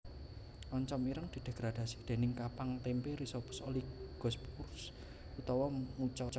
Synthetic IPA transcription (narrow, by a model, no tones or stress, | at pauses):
ʔɔɲt͡ʃɔmiɾəŋd̪̥i̤d̪̥e̤ɡ̥ɾad̪̥a̤si̥d̪̥e̤nɪŋkapaŋt̪empeɾisopʊ̥soliɡ̥ɔ̤spurs | ut̪ɔwɔmut͡ʃɔt͡ʃ